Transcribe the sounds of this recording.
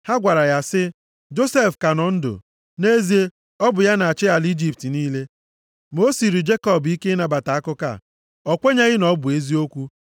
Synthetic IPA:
ha˦ɡʷa˨ɾa˨ja˨sɪ˦ | d͡ʒo˦se˦˨fka˨nɔ˨n̩˦dʊ̰˨ | ne˦zi˦e˦ | ɔ˦bʊ˨ja˦na˨a˨t͡ʃɪ˦a˨li˦d͡ʒi˨p̚ti˨niː˦le˦ | mo˦si˨ɾi˨d͡ʒe˦kɔ˨bi˦ke˦na˨ba˨ta˨a˦kʊ˦ka̰˦˨ | ɔ˨kʷe˦ɲa˦ɣɪ˦nɔ˦bʊ˨e˦zi˦o˦kʷu˦

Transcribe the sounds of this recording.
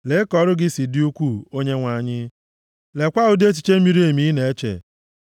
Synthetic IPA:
le˨˦kɔ˨˦ɾʊ˦ɡɪ˦si˨dɪ˦u˦kʷu˦˨o˦ɲe˦ŋʷa˨ɲɪ˦ | le˨kʷa˦ʊ˦de˦t͡ʃi̥˨t͡ʃe˦m̩˦mi˨˦ɾi˦e˨mi˦ne˨e˦t͡ʃḛ˨

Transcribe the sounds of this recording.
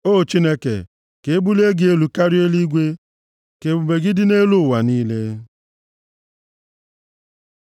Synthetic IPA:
o˦˨t͡ʃi˦ne˦kḛ˨ | ke˨e˦bu˦le˦ɡɪ˦e˦lu˨ka˦ɾɪ˦e˦li˦ɡʷe˦ | ke˨bu˨be˨ɡɪ˦dɪ˦ne˦lu˦˨wa˨niː˦le˦

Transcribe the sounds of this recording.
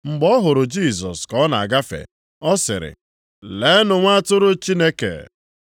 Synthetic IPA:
ŋ͡m̩˨ɡ͡bɔ˦ɦʊ˨ɾʊ˨d͡ʒi˦˨s̬ɔ̰˨skɔ˦na˨a˨ɡa˦fḛ˨ | ɔ˦sɪ̰˨ɾɪ̰˨ | le˨˦nʊ˨ŋʷa˦a˦tʊ˦ɾʊ˦t͡ʃi˦ne˦kḛ˨

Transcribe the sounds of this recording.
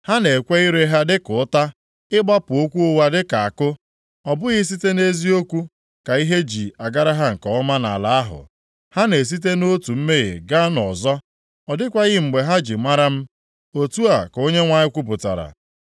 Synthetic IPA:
ha˦ne˨kʷe˦i˦ɾe˦ɦa˦dɪ˦kʊ˨ʊ˦ta˦ | ɪ˦ɡ͡ba˦pʊ˨o˦kʷu˦o˦wa˦dɪ˦ka˨a˨kʊ˦ | ɔ˨bʊ˦ɣɪ˦s̬i˦te˦ne˦zi˦o˦kʷu˦ | ka˨i˦ɦe˦d͡ʒi˨a˨ɡa˦ɾa˦ɦa˦ŋ̩˨kɔ˨ɔ˦ma˦na̰˨la˨a˦ɦʊ̰˨ | ha˦ne˨s̬i˦t̬e˦no˦tu˨m̩˦me˦ɣḛ˨ɡa˦nɔ˨zɔ˦ | ɔ˨dɪ˦kʷa˦ɣɪ˦ŋ͡m̩˨ɡ͡be˨ɦa˦d͡ʒi˨ma˦ɾa˦m̩˦ | o˨tu˦a˨ko˦ɲe˦ŋʷa˦ɲɪ˦kʷu˦p̬ʊ˨ta̰˨ɾa̰˨

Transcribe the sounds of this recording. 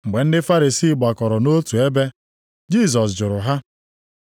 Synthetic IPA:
ŋ͡m̩˨ɡ͡be˨n̩˦dɪ˦fa˦ɾi˨si˦˨ɡ͡ba˨kɔ˨ɾɔ˨no˦tu˨e˦be˦ | d͡ʒi˦˨s̬ɔ˨s̬d͡ʒʊ˨ɾʊ˨ɦa˦

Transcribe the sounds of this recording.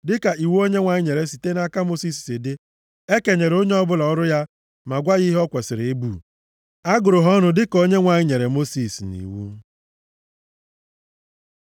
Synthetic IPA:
dɪ˦ka˨i˨wo˦ɲe˦ŋʷa˨ɲɪ˦ɲe˨ɾe˨si˨te˦na˦ka˦mo˦si˦˨s̬sɪ˨dɪ˦ | e˦ke˨ɲe˨ɾo˦ɲe˦ɔ˦bʊ˦lɔ˨ɔ˦ɾʊ˦ja˦ | ma˨ɡʷa˦ɣi˦ɦɔ˦kʷe˨sɪ˨ɾe˦buː˨ | a˦ɡʊ˨ɾʊ˨ɦɔ˦nʊ˨dɪ˦ko˦ɲe˦ŋʷa˨ɲɪ˦ɲe˨ɾe˨mo˦si˨snḭ˨wṵ˦

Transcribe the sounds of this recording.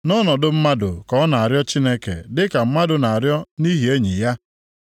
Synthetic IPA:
nɔ˦nɔ˨dʊ˦m̩˦ma˦dʊ̰˨kɔ˨˦na˨a˨ɾjɔ˦t͡ʃi˦ne˦kḛ˨dɪ˦ka˨m̩˦ma˦dʊ˨na˨a˨ɾjɔ˦ni˦ɦi˨e˦ɲi˨ja˦

